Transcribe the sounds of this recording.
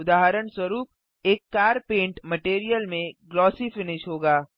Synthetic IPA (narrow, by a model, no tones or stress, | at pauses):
ʊd̪aːɦəɾəɳswɐɾuːp̚ | eːkːaːɾpẽːɳʈmɐʈeːɾijəlmẽɡlɔːsifɪnɪʃɦoːɡaː